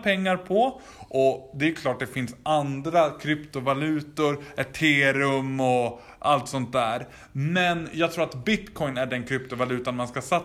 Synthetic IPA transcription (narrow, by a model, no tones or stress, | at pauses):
pʰɛŋːaɾpʰɔ | ʔɔd̪ɛjkʰlɑːʈ̚d̪ɛfɪnsand̪ɾakʰɾʏpt̪ʊvalʉ̟ːt̪ʊɾɛt̪ʰːeːɾɵmɔ | ʔa̰lt̪sɔnt̪̚d̪æːɾ | mɛnjɑːɡt̪ʰɾuːɾat̪bɪt̪kʰɔjnæɖɛnkʰɾʏpt̪ʊvalʉ̟ːt̪anmanskasa